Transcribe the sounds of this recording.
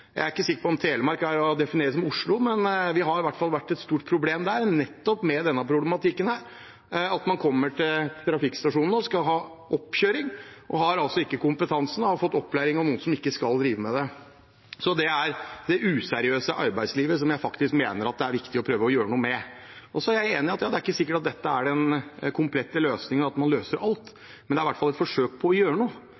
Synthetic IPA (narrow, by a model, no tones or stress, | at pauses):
jæ̰ɪæɾɪkːəsɪkːəpɔɔmt̪ʰeːləmɑɾkæɾɔd̪ɛfɪneːɾəsɔmʊʂɭʊmɛnʋɪɦɑɾɪʋæʈːfɑlʋæʈːɛt̪st̪uːʈ̚pʰɾʊbleːmd̪æːɾnɛt̪ːɔpmɛd̪ɛnːəpʰɾʊblɛmɑt̪ʰɪkːənhæːɾ | ɑt̪mɑnkʰɔmːəʈʰɪlt̪ʰɾɑfɪkst̪ɑʂuːnn̩ɔskɑɦɑːʔɔpːçøːɾɪŋʔɔɦɑɾɑlt̪sɔɪkːəkʊmpət̪ʰɑnsən̩ɑʋfɔt̪ːɔpːlæɪɾɪŋɑʋnuːənsɔmɪkːəskɑld̪ɾiːʋəmɛd̪ɛ | sɔd̪ɛæɾd̪ɛʔʉːsɛɾɪøːsəʔɑɾbæɪsliːʋəs̬ɔmjæɪfɑkt̪ɪskmeːnəɾɑt̪̚d̪ɛæɾʋɪkt̪ɪɔpʰɾøːʋəɔjøːɾənuːəmɛʔɔsɔæɾjæɪeːnɪɑt̪jɑːd̪ɛæɾɪkːəsɪkːəʈɑt̪̚d̪ɛt̪ːəæɖɛnkʰʊmpʰlɛt̪ːəløːsnɪŋənɑt̪mɑnløːsəɾɑlt̪ | mɛnd̪ɛæɾɪʋæʈfɑlɛt̪fɔʂøːk̚pʰɔɔjøːɾənuː